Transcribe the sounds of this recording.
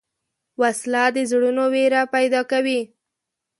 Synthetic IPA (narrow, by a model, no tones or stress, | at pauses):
waslad̪əzɽunoweɾapajd̪ɑkawi